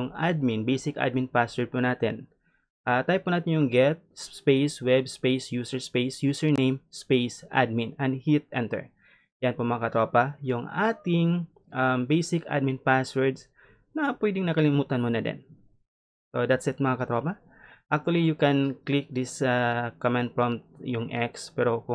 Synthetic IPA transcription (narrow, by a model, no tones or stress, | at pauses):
jʊŋad̪̚mɪnbejsɪkʔa̰d̪̚mɪnpaswɛɹd̪̚punaːt̪ɛ̰n | ʔat̪ajpʊnaːt̪ɪnjʊŋɡɛt̪̚sspejswɛbspejsjuːsɛɹspejsjuːsɛɹnejmspejsʔa̰d̪̚mɪnɐnhit̪̚ʔɛnt̪ɛ̰ɹ | jɐnpomɐɐkɐt̪ɾoːpɐjʊŋʔaːt̪ɪŋ | ʔambejsɪka̰d̪̚mɪnpaswɛɹd̪s | nɐpwɛd̪ɪŋnɐkɐlɪmuːt̪ɐnmonɐd̪ɛ̰n | sod̪at̪sɛt̪mɐŋakɐt̪ɾoːpɐ | ʔak̚t̪uwɐlijʊkɛnklɪk̚d̪ɪsakamɛnt̪̚fɹɔ̃mt̪̚jʊŋʔɛkspɛɾokʊ